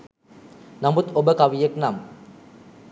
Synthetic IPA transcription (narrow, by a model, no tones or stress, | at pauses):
namut̪obəkaʋijeknam